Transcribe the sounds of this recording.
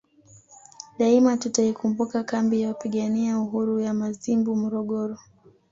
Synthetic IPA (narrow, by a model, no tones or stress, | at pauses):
ɗaimatutaikumbukakambijawapiɠaniauɦuɾujamazimbumɔɾɔɠɔɾɔ